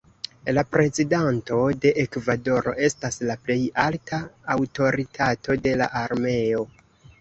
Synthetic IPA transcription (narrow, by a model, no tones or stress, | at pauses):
lapɾe̞zidanto̞de̞ʔekvado̞ɾo̞̰ʔe̞staslaple̞jaltʰaːwto̞ɾitʰatʰo̞de̞la̰ʔaɾme̞o